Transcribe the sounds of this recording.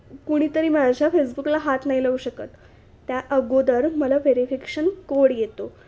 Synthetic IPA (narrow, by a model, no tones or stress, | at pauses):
kuɽ̃iːt̪əɾiːmad͡ʑʱjafesbuklaɦat̪nailəuɕəkət̪ː | jaʔəɡod̪əɾməlaʋeɾifike̥ɕənkoɽjet̪o